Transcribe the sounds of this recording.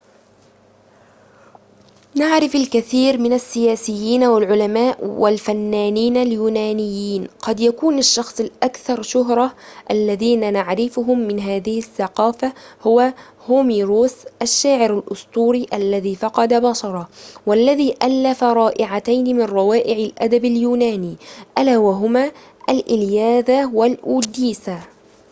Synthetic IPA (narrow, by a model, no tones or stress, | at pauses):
naʕɾɪfalkaθiːɾmɪnasːɪjaːsɪjːiːnawɪlʕʊlamaːʔwalfanːaːniːnaljuːnaːnɪjːiːnqɑd̪jakuːnaʃːɑxsˤɪlʔakθɑɾˤʃʊɦɾˤɑʔalːaðiːnanaʕɾɪfʊɦʊmːɪnɦaːðɪhɪsːɑqɑːfahʊwa | hʊmiɾoːsʔaʃːaːʕɪɾalʔʊst̪ˤuːɾiːʔalːaðiːfɑqɑd̪abaʃɑɾˤɑwalːaðiːʔalːafaɾˤɑːʔɪʕat̪ajnɪmɪnɾˤɑwaːʔɪʕɪlʔad̪abaljuːnaːniːʔalaːwaɦʊmaː | ʔalʔɪljaːðawalʔuːd̪iːsa